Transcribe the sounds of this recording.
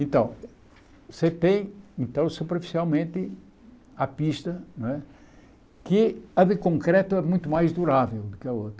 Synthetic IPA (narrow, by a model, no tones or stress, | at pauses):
ẽnt̪ɐ̃w̃ | set̪ẽj̃ẽnt̪ɐ̃w̃supɾeɾfi̥sialˠmẽnt̪ɨ | apiʃt̪ɐnɐ̃w̃ɛ | kɨɐðɨkõŋkɾɛt̪uɐðmũj̃t̪umajʒd̪uɾavɛlˠd̪ukɐot̪ɾɐ